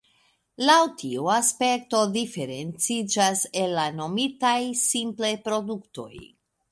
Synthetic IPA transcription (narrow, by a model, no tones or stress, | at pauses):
lawtʰiuaspe̞kto̞dife̞ɾe̞nt͡sid͡ʒase̞lːano̞mitajsimplepɾo̞dukto̞̰j